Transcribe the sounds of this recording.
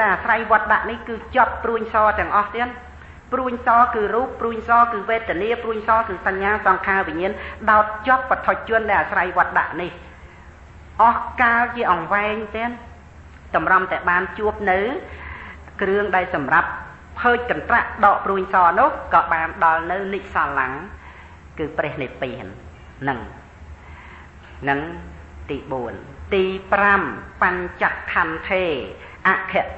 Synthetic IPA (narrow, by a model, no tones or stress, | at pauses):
ɗaɛlʔaːsrajʋŏət̪̚ɗa̰ʔnihkɨːt͡ɕŏpːruəɲsɑːt̪ɛ̆əŋʔɑht̪iən | pruəɲsɑːkɨːruːp̚ːruəɲsɑːkɨːʋeːt̪ːɛ̆əniəpruəɲsɑːkɨːsaɲːaːsɑŋkʰaːʋiɲiənɗaɔt̪̚t͡ɕŏəp̚pət̪ʰoc̚t͡ɕʊ̆ənɗaɛlʔaːsrajʋŏət̪̚ɗa̰ʔnih | ʔɑhkaːlt͡ɕiəʔɑŋʋaɛŋt̪ɛən | t̪ɑmrɑmt̪aɛɓaːnt͡ɕuəp̚nɨw | krɨəŋɗaɛlsɑmrapʰ | əːc̚kɑnt̪raʔɗɑːʔpruəɲsɑːnʊ̆əhkɑːɓaːnɗɑlnɨwliʔsaːlːaŋ | kɨːprɛəhnipinː | ɨŋ | nɨŋ | t̪iːɓuənt̪iːprampaɲt͡ɕakʰːant̪ʰeː | ʔaʔkʰɛ̆əʔ